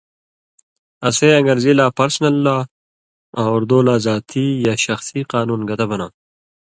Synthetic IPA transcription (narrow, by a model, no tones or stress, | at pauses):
ɐseɐ̃ŋɡɐɾzilaːpɐɾsnɐlːa | awuɾd̪oːlaːzaːt̪ʰijaːɕɐxsiqaːnuːnɡɐt̪abɐnaː